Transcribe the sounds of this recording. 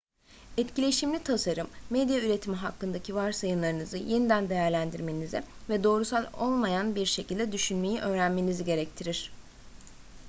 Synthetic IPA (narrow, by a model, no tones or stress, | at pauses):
ɛt̪cilʲe̞iʃimlʲit̪ʰasaɾɯmːɛd̪jayɾe̞t̪ʰimiɦakːɯnd̪acʰivaɾsajɯnlˠaɾɯnɯzɯje̞nid̪ænd̪ejæɾlʲænd̪iɾme̞nizivɛd̪o̞ːɾusalˠo̞lˠmajanbiɾʃe̞cʰilʲd̪ɛd̪yʃynme̞jiʔø̞ːɾænme̞niziɟe̞ɾɛc̚t̪ʰiɾiɾ̥